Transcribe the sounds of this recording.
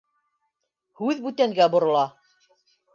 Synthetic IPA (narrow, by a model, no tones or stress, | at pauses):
hʉðbʉt̪æŋɡæbŏɾŏlˠɑ